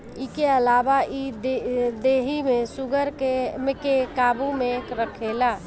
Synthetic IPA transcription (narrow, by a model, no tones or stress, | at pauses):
ikeəlaːʋaid̪ed̪eːɦimẽsʊɡəɾkemẽkekaːbumẽkɾəkʰelaː